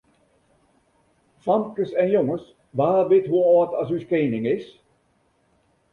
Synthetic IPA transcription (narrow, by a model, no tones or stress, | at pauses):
fɑmkəsɛnjoŋəs | ʋaːbɪtɦuɔːtɑsyskeːnɪŋɪs